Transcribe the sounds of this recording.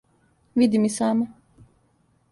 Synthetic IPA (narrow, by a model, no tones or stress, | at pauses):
vid̪imisaːma